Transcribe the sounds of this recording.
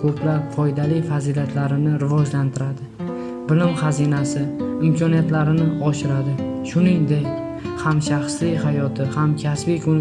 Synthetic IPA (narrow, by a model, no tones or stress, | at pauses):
kʰɵpʰlaɾfɒjd̪alɪjfaziliat̪ʰlaɾɪnɪɾɪvɒd͡ʒlant̪ʰɪɾad̪ɪ | bɪlɪmχazinasɪɪmkʰɒnijat̪laɾɪnɪɒʃɪɾad̪ɪ | ʃʊniŋd̪e̞kʲ | hamʃaχslɪjhajɒt̪ʰɪhamkʲʰasbikʰʊnɪ